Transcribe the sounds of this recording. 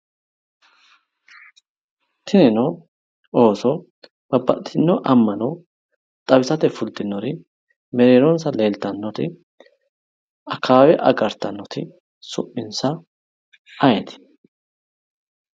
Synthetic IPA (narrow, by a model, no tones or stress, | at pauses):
t̪ʰɪnɛnɔ | oːsɔ | b̥ɐbːɐ̰t̪ʰːɪnːɔʔɐmːɐnɔ | t̪ʼɐbɪsɐt̪ɛfʊlt̪ɪnːɔɾɪ | mɛɾeːɾonsɐle̞ːlt̪ɐnːɔt̪ɪ | ɐkʰːaːwɛʔɐ̰ɡɐɾt̪ɐnːɔt̪ɪ | sʊpːɪnsɐ | ɐjɛt̪ɪ̥